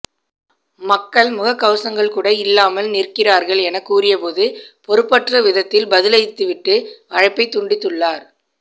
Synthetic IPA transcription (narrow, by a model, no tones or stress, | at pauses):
mɐkːɐɭmʊɣɐkːɐʋsɐŋɡɐɭkuːɽɐɪlːaːmɐlnɪrkɪraːɾɣɐɭɛnɐkːuːrɪjɐpoːðɯpɔɾɯpːɐʈrɐʋɪðɐt̪ːɪlbɐðɪlɐjt̪ːɯʋɪʈːɯɐɻɐpːɐɪt̪ːʊɳɖɪt̪ːɯɭːaːɾ